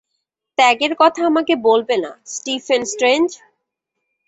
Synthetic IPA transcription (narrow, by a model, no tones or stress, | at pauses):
t̪ɛɡeɾkɔt̪ʰaamakebolbena̰sʈifensʈɾend͡ʑ